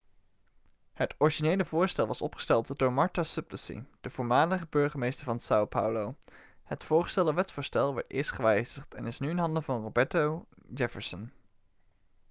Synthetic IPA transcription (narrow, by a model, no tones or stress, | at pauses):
hətɔɹiʒinejləvʊːɹstɛlˠʋɑsɔpχə̥stɛlˠtd̥ʊːɹmɑɹtasɵpləsḭd̥əv̥ʊːɹmaːləχəbøɹχəmejstəɹvɑnsawpʰa̰wlowhətfʊːɹχə̥stɛlˠdəʋɛtsfʊːɹstɛlˠʋɔɹtɪ̰ːɹstχəʋɛjzəχtɛnɪsnyɪnɦɑndəvɑnrobɛɹtowd͡ʒɛfəɹsən